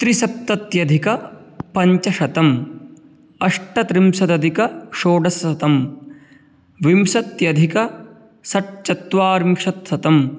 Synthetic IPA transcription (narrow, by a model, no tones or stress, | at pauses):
t̪ɾisɐp̚t̪ɐt̪jɐd̪ʱikɐpɐɲt͡ʃɐʃɐt̪ɐm | ɐʂʈɐt̪ɾimsɐt̪ɐd̪ʱikɐʃoːɖɐsɐt̪ɐm | ʋimsɐt̪jɐd̪ʱikɐ | sɐʈ̚t͡ʃɐt̪ʋaːɾmʂɐt̪sɐt̪ɐm